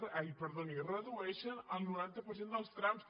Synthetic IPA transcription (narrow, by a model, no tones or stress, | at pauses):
ɛjpəɾðonirəðuɛʃənəlˠnuɾant̪əpəɾs̬end̪əlˠst̪ɾams